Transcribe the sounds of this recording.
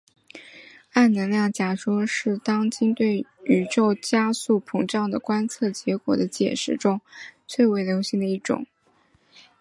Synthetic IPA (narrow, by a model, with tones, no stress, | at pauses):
a˥˩nnə˧˥nljɑ˥˩ŋt͡ɕja˧˥ʂɔ˥ʂɻ̩˥˩t̪ɑ˥ŋt͡ɕi˥ŋt̪we˥˩ɪy˨˩ʈ͡ʂo˥˧ʊt͡ɕja˥su˥˩pʰɤ˧˥ŋʈ͡ʂɑ˥˩ŋd̪ə˩kwa˥nt͡sʰɤ˥˩t͡ɕjɛ˧˥kwɔ̰˨˩d̪ə˦t͡ɕjɛ̰˨˩ʂɻ̩˥˩ʈ͡ʂʊ˥ŋt͡sʰwe˥˩ɪwe˧˥ɪljo˧˥ʊɕi˧˥ŋd̪ə˩˧i˥˩ʈ͡ʂʊ̰˨˩˦ŋ